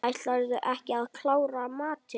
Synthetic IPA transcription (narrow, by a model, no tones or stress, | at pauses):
ajst̪laɾðʏʔɛhcɪaðkʰlaːwɾamaːt̪ɪ